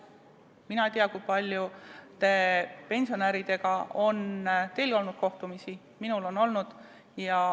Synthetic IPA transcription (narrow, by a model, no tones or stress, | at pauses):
minɑt̪iɑkujpɑlʲjut̪e̞pe̞nsio̞næɾid̪e̞ɡ̥ɑo̞nt̪e̞jlɡo̞lnud̪̥ko̞ht̪umisi | minulo̞no̞lnud̪̥ | jɑ